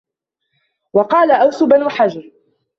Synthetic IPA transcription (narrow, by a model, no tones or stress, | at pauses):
wɑqɑːlaʔawsʊbanuːħad͡ʒɑɾ